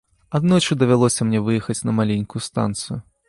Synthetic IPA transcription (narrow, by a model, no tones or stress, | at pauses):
ad̪nɔjt͡ʂɨd̪ɐvʲalˠɔsʲɐmnʲɛvɨjɛxɐt͡sʲnɐmalʲenʲkujust̪a̰nt̪sɨju